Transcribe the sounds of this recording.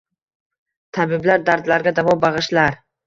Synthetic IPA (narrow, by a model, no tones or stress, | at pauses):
t̪ʰabɪblaɾd̪aɾd̪laɾɡʲad̪avɒbɑʁɨʃlaɾ